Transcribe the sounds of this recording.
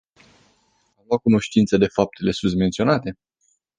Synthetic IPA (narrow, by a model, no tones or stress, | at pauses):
amlakuno̞ʃt̪int̪səd̪e̞fap̚t̪ʰe̞le̞sunt̪ment̪sio̞nat̪e̞